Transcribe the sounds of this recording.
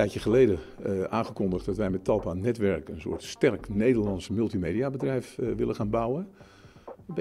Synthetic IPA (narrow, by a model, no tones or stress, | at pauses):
ɛjəχəlejdəʔaːnχəkɔndəχt̚dɔtʋɛjmɛtɑlˠpaːnɛtʋɛɹkənsʊ̰ːətstɛrknejdəɹlɑnsmɵlˠtimejdiabədrɛjfʋɪlˠəχaːnbawə | b